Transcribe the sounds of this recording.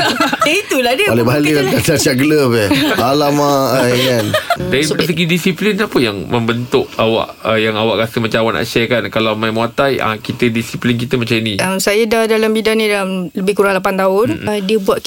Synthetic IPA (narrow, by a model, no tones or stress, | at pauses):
jait̪uladəalebalilakat͡ʃasiaʔɡələpɛalamaaŋandaiɾəsəɡidisiplinapəjaŋməmbənt̪ʊʔ̚a̰wa̰ʔəjaŋawaʔkasəmat͡ʃaawaʔnʔa̰ʔʃɛkankalawmajmwat̪aja̰kit̪ədisiplink̬it̪əmat͡ʃãminiəmsajadahdalambidanĩdalamləbɪhkuɾaŋlap̬ant̪aʊndiəbuaʔ̪